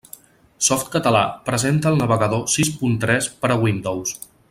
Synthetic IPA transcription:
sɔft̪kət̪əla̰pɾəzent̪əːlˠnəβəɣəðosispunt̪ɾɛspəɾəwind̪ows

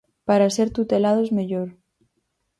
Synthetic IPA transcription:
paɾase̞ɾt̪ut̪e̞lað̞o̞zmeʎoɾ

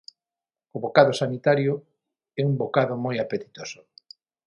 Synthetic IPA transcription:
ʊβokaðʊsanit̪aɾjʊ | ɛumbokaðʊmojapet̪i̥t̪osʊ̥

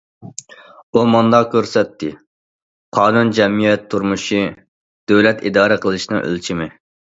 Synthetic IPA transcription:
umɑnd̪ɑkʲʰøɾsɛt̪ʰːɪ | qʰɑːnund͡ʒɛmijɛt̪ʰːuɾmuʃi | d̪̥øwlɛt̪ḭd̪ɑːɾɨqʰəlˠɨʃnɨŋʔø̰lt͡ʃʰimɪ

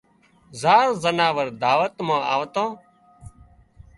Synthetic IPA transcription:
zaːɾzənaːʋəɾd̪aːʋət̪mãːa̰ːʋt̪õː

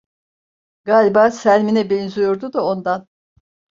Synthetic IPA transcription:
ɡaːlʲibaːsælʲminɛbenzyjoɾd̪ud̪ao̞nd̪an

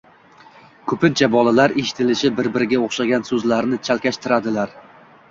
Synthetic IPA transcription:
kʰɵpʰɪnt͡ʃʰabɒlˠalaɾeʃɪ̥t̪ʰɪlɪʃɪbɪɾbɪɾɪɡʲaoχʃaɡʲansɵzlaɾnɪt͡ʃʰalˠkʲaʃt̪ʰɪɾad̪ɪlaɾ

